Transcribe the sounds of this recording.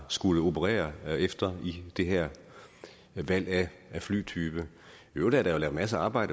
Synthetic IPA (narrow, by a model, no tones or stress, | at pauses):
sɡ̥uləo̝pʰəʁɛ̰ːɐefd̥ɐid̥e̝ɦæɐ̰ | ʋæl̰ææfly̰ːt͡sʰyːb̥ə | od̥æɐɾ̥ɑ̈jo̝lɛʊmæs̬əɑ̈ːb̥ɑ̈ɪ̰ɾə